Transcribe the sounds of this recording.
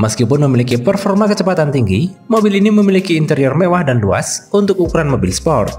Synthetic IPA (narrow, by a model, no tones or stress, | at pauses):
məskipʊnməmilikipərfɔrmakət͡ʃəpat̪ant̪iŋɡi | mobiliniməmilikiːnt̪əɾiɔrmewahdanlua̰sunt̪ʊk̚ukuɾanmobɪlspɔrt̪̚